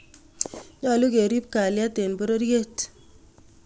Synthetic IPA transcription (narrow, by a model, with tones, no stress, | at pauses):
ɲɔ˦˨lʊ˦ke˨ɾi˦p̚ka˨lja˦t̪e˨nbo˦ɾo˦ɾje˦t